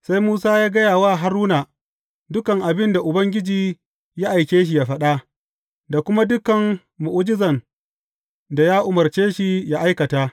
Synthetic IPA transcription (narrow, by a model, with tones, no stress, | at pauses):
sa˦jmuː˦saː˦jaː˦ɡɐ˦jaː˨waː˦ɦa˦ɾuː˦na˨ | dʊ˦kɐ˨ŋʔa˨bɪ˦nda˨ʔʊ˨bɐ˦ŋɡʲɪ˦d͡ʒiː˨ | ja˦ʔa˨jkʲeː˦ʃ̬i˨ja˦ɸɐ˦ɗa˦ | da˨kʷʊ˦ma˦dʊ˦kɐ˨ŋ | mʊ˨ʔʊ˦d͡ʒɪ˦zɐ˨n | da˨ja˦ʔʊ˨mɐ˨rt͡ʃeː˦ʃi˨ja˦ʔa˦jkɐ˨taː˦